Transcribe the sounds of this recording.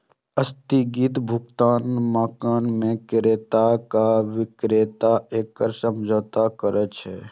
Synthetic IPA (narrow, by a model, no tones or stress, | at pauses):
əst̪iɡit̪bʱʊɡt̪aːnmaːkaːnmẽkɾeːt̪akaʋɪkɾeːt̪aeːkːəɾsəmd͡ʒʱoːt̪akəɾət͡ʃɦɛː